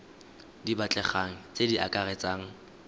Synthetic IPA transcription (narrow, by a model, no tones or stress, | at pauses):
dibat͡ɬʼɛχaŋ̩t͡sʼediʔakʼaret͡sʼaːŋ̩